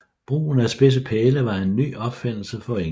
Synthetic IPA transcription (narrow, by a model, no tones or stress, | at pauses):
b̥ʁṵːnæsb̥e̝s̬əpʰeːləʋɑ̈e̝nːy̰ːɒ̽b̥fen̰l̩səfɒ̽e